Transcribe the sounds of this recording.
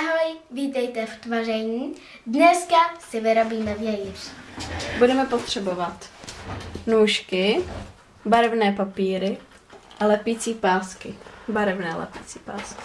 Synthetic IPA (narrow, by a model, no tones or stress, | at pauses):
ɦojviːt̪ɛjt̪ɛft̪varɛɲiː | dnɛskasɪvɪɾobiːmɛvjɛjir | budɛmɛpo̞t̪r̝̥ɛbo̞vat̪ | nuːʃkɪ | baɾɛvnɛːpapiːɾɪ | ʔalɛpiːt͡siːpaːskɪbaɾɛvnɛːlɛ̰piːt͡siːpa̰ːskɪ̥